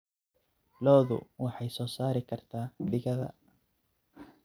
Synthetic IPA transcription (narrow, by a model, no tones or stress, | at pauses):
lɔːðʊ̰wɑħɑjsɔːsaːɾɪkʰɐrt̪ʰaːɖɪɣɐðɐ̰